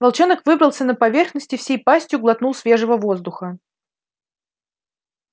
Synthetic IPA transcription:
vɐlˠt͡ɕonəkvɨbɾəlˠsʲənəpɐvʲe̞rxnəsʲtʲɪfsʲejpasʲtʲjʊɡlˠɐt̪nulˠsvʲe̞ʐəvəvo̞zd̪ʊxə

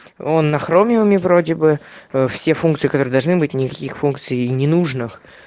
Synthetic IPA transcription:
onːɐxɾomʲɪvəmʲɪvro̞dʲɪbɨfsʲefunkt̪sɨikɐt̪oɾɨəd̪ɐlˠʐnɨbɨtʲnʲɪkɐkʲixfunk̚t̪sɨjnʲɪnuʐnɨx

